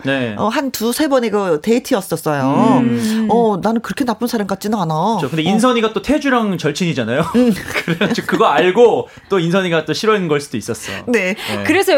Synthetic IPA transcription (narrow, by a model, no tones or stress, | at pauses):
neʌɦantusʰebʌneɡʌte̞itʰɯʌs͈ʌs͈ʌjo | ʌnanɯnkɯɾʌkʰenap͈ɯnsʰaɾamk͈at͡ɕ͈inɯnanaokɯndeins̬ʰʌɲiɡat͈otʰe̞d͡ʑuɾaŋt͡ɕʌɭt͡ɕʰiɲid͡ʑanajokɯɾeʌt͡ɕʰokɯɡʌaɭɡo | t͈oinsʰʌɲiɡat͈oɕʰiɾwʌinnɡʌɭs͈udois͈ʌs͈ʌjo̰ne̞kɯɾe̞sʰʌ